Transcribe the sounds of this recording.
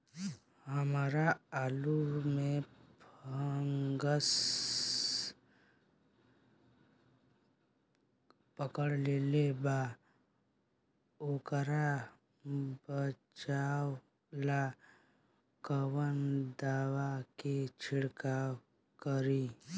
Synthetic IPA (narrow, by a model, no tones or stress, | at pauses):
həmaːɾaaːlumẽpʰəŋɡəs | pəkəɽleleba | okəɾa | bət͡ʃaːw | la | kəwənd̪aːwaket͡ʃʰɪɽkaw | kəɾi